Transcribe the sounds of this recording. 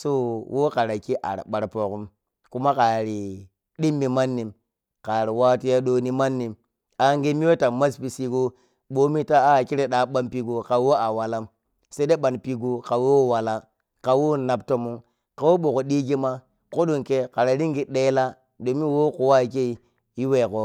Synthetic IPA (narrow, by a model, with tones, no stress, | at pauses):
so˦wʔo˦ka˨ɾa˨ki˦ʔa̰˨ɾ̰ɓa˨ɾpo˨ku˦m | ku˦ma˦ka˨ɾi˨ | ɗi˦mːi˨ma˦nːi˨m | ka˨ɾi˨wa˦ti˦ja˦ɗo˨ni˦ma˦nːi˨m | a˨ŋɡe˦mi˦wo˦ta˨ma˦spi˨si˦ɡo˦ | ɓo˦mi˦ta˦a˦˨ki˦ɾe˨ɗa˨˦ɓa˦npi˨ɡo˨ka˨˦wo˦a˨wa˨la˦m | se˦de˦ɓa˨npi˦ɡu˦ka˨wo˦wwa˨la˦ | ka˨wo˦na˨p̚to˦mu˦ŋ | ka˨wo˦ɓo˨ko˨ɗi˦ɡi˦ma˦ | ko˦ɗo˨nke˦ka˨ɾa˨ɾi˦ŋɡi˨ɗe˦la˦ | do˨mi˦wo˦ko˨wa˦˨ke˦i˨ | ji˦we˨ko˦